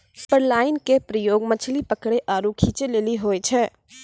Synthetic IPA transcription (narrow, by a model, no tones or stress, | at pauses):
pəɾlaːɪnkepɾəjoːɡmət͡ʃʰlipəkɽeʔaːɾukʰiːt͡ʃeleːliɦoːet͡ʃʰɛː